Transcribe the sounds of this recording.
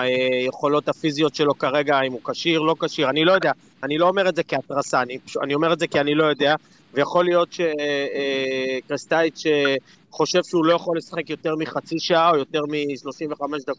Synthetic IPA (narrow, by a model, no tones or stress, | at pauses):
aeje̞χo̞lo̞t̪hafizijo̞tʃe̞lo̞kaʁe̞ɡaimukaʃiʁlo̞kaʃiʁanilo̞jo̞d̪ea | anilo̞ome̞ʁetzekiatʁasaːnipa̰nio̞meʁetzekianilo̞jo̞d̪ea | vejaχo̞lijo̞tʃe̞ | kʁist̪aitʃe | χo̞ʃe̞vʃeulo̞jaχo̞lesḁχe̞kjo̞te̞ʁmiχat͡siʃaʔao̞jo̞te̞ʁmiʃlo̞ʃiɱveχame̞ʃd̪akot